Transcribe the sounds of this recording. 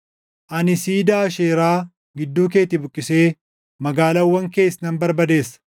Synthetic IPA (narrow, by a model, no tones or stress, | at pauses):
ʔɐnɪsiːd̪aːʃeːɾaː | ɡɪd̪ːuːk̬e̞ːt̪ɪbʊkʼːɪse̞ː | mɐɡaːlɐwːɐŋke̞ːsnɐnbɐɾbɐd̪e̞ːsːɐ̥